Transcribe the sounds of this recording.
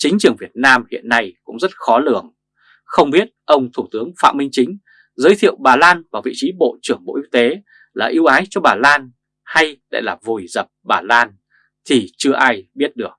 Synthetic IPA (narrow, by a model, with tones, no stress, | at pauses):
t͡ɕï˨˦ŋ̟t͡ɕɨ˨˩əŋvi˨˩ət̚naː˧mhḭ˧˨ənːa˧jkʊ̰˧˥ŋ͡mzə˦˥t̚xɔ˨˦lɨ˧˩əŋ | xə˧wŋ͡mɓi˦˥ət̚ʔə˧wŋ͡mt̪ʰu˧˩t̪ɨ˨˦əŋfa̰ː˧˨mï˧ŋ̟t͡ɕï˨˦ŋ̟ | zəː˨˦jt̪ʰḭ˧˨əwɓaː˨˩laː˧nvaː˨˩vḭ˧˨t͡ɕi˨˦ɓo̰˧˨t͡ɕɨ˧˩əŋɓo̰˧˨ʔi˧wt̪e˨˦ | laː˨˩ʔi˧əwʔaː˨˦jt͡ɕɔ˧ɓaː˨˩laː˧n | ha˧jɗa̰ː˧˨jlaː˨˩vu˨˩jzə˨˩p̚ɓaː˨˩laː˧n | t̪ʰi˨˩t͡ɕɨ˧əʔaː˧jɓi˦˥ət̚ɗɨ˨˩ək̚